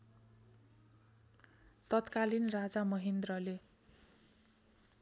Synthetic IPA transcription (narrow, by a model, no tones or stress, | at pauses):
t̪ʌt̪kalinrad͡zamʌɦind̪rʌle